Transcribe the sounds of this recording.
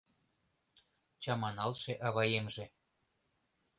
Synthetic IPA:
t͡ɕɑmɑnɑlʃeʔɑβɑjemʒĕ

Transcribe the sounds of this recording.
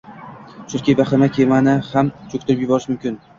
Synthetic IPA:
t͡ʃʰʊɾkʲajbaχɪɾmakʲʰemanɪhamt͡ʃʰokʲt̪ʰʊɾɪpjʊbɒɾɪʃmʊmkʲɪn

